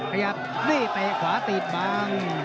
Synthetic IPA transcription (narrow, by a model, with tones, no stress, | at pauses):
kʰa˧ja˨˩p̚liː˥˩t̪eː˧kʰwaː˨˦t̪i˨˩t̪̚baː˧ŋ